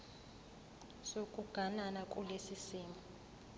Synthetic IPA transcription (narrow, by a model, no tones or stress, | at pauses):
sokʼuɡ̥ʱananakʼulesisiːmu